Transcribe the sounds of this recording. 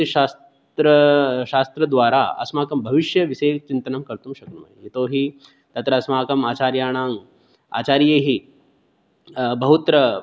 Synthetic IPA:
iʃaːs | t̪ɾɐʃaːst̪ɾɐd̪ʋaːɾaɐ̰smaːkɐmbʱɐʋiʃjɐʋiseːt͡ʃint̪ɐnɐmkɐɾt̪umʃɐknumɐ̰iɦit̪oːɦi | t̪ɐt̪ɾɐɐsmaːkɐmaːt͡ʃaːɾjaːɳ̃aːŋ | a̰ːt͡ʃaːɾjeːɦi | bɐɦut̪ɾɐ

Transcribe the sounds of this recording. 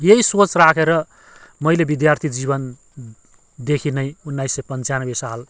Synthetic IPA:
jeɦisot͡srakʰeɾʌ | mʌjlebid̪jart̪ʰid͡zibʌn | d̪ekʰinʌjunːaisːʌjpʌnt͡sanʌbesal

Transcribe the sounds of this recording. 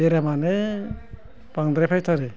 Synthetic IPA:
eɾamane | baŋd̪ɾapʰajtʰaɾe

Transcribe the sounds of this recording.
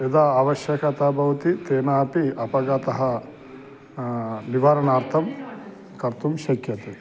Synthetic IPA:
ed̪aːɐːʋɐʃjɐkɐt̪abʱɐʋɐt̪it̪eːnaːpiɐpɐɡɐt̪ɐɦɐ | niʋaɾɐnaːɾt̪ʰɐm | kɐɾt̪umʃɐkjɐt̪e

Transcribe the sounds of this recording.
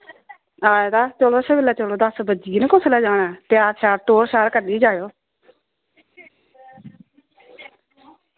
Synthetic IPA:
aːjaːd̪aːt͡ʃoːloːsaːbeːlːaːt͡ʃəloːd̪əsbəd͡ʒiːnẽkʊslɛːd͡ʒaːɽaːt̪ɪjaːɾʃaːɾʈoːɾʃaːɾkəɾd̪iːd͡ʒaːjoː

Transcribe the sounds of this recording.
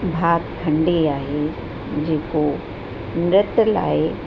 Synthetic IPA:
bʱaːɡkʰɐ̃ɳɖeaːɦe | d͡ʑeːko | mɾɪt̪la̰ːe

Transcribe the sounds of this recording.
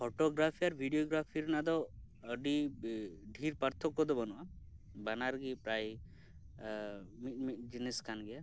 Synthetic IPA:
pʰɔʈɔɡɾapʰiaɾbʱiɖijoɡɾapʰiɾnad̪ɔ | əɖi | ɖʱiɾpaɾt̪ʰɔkːɔd̪ɔbɔnuʔa | banaɾɡipɾaj | mimid͡ʒineskʰanɡɛja

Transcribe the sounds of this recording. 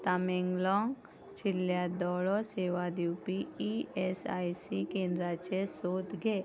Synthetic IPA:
t̪amẽŋɡlɔ̃ːŋɡ | t͡ʃʰɪljad̪ɔːɭɔseːʋad̪iwpiiesa̰ːisikẽːnd̪ɾat͡ʃesoːt̪ɡʱeː

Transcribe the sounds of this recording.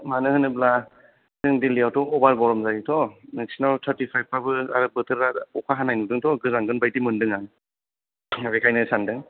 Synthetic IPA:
manɯhɯnɯbla | dɯŋdilijawtɔɔbaɾbɔɾɔmzajitʰɔneksinaltʰaɾtipʰajb̚pabɯaɾɯbɯtʰɯɾaɔkʰaɦanajnudɯŋtɔɡɯzaŋɡɯnbajtimɯndɯŋan | bekʰajnɯsandɯŋ

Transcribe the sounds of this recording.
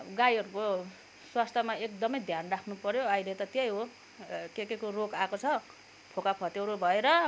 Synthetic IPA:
ɡajɦʌɾuko | swast̪ʰʌmaekd̪ʌmʌjd̪ʱjanrakʰnupʌɾjoajlʌt̪ʌt̪ejɦo | kekekorokakot͡sʰʌ | pʰokapʰʌt̪ewɾubʱʌeɾʌ

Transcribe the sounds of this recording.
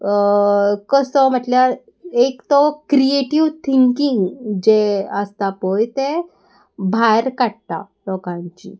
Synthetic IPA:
kəsɔm̤əʈljaɾ | ekt̪ɔkɾieʈiʋt̪ʰiŋkiŋɡd͡ʑeəst̪apɔjt̪ẽ | bʱajɾkaɽt̪a̰ | lɔkãɲt͡ɕḭː

